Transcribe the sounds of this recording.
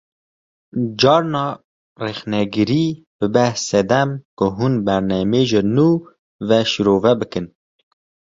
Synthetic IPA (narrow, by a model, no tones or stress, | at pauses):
d͡ʒɑːɾnɑː | rɛxnɛɡɨɾiː | b̥ɨbɛhsɛd̪ɛmkʊɦunbæɾnɛmeːʒɪnuː | vɛʃiɾoːvɛbɨkɨn